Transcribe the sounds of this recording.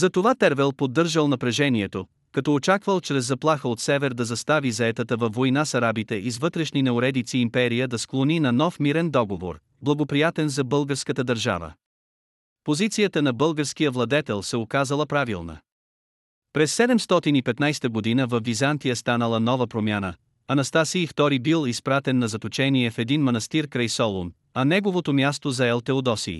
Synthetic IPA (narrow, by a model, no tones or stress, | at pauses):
zɐt̪ovat̪ɛɾvɛlˠpod̪ːɤɾʒəlˠnɐpɾɛʒɛniɛt̪o | kɐt̪ɔot͡ʃakvəlˠt͡ʃɾɛzːɐplˠaxəot̪sɛvɛɾd̪ɐzɐst̪avizɐɛt̪ət̪əvɐfːojnasɐɾabit̪ɛʔizvɤt̪ɾɛʃninɛʊɾɛd̪it̪siːmpɛɾijəd̪ɐsklˠoninɐnɔfmiɾɛnd̪ɔɡovo̰ɾ | blˠɐɡopɾijat̪ɛnzɐbɤlˠɡəɾskət̪əd̪əɾʒa̰və̰ | pozit̪sijət̪ənɐbɤlˠɡəɾsk̟ijəvlˠɐd̪ɛt̪ɛlˠsɛokazəlˠəpɾavilˠnə̰ | pɾɛsːɛd̪ɛmst̪ɔt̪inipɛt̪najst̪əɡod̪inəvɐfːizant̪ijəst̪anəlˠənɔvəpɾomʲjanə | ɐnɐst̪asiːft̪ɔɾibilˠispɾat̪ɛnːɐzɐt̪ot͡ʃɛniɛfɛd̪inmɐnɐst̪iɾkɾɐjsɔlˠon | ɐnɛɡovot̪omjast̪ozɐɛlˠt̪ɛod̪ɔsḭː